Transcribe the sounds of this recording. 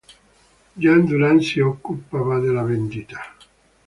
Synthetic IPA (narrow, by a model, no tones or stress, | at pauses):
d͡ʒand̪unansiokːupːavad̪elavend̪it̪ḁ